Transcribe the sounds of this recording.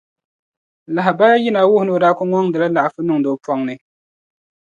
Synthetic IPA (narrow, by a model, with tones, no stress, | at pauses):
la˨ɦa˨baː˦ji˦na˨˦wʊ˦hʊ˨no˦˨da˦kʊ˦ŋɔ˦ŋdɨ˨la˦la˨ʔa˨fɨ˦nɨ˦˨ŋ˨do˨˦pɔ˦ŋnɨ˦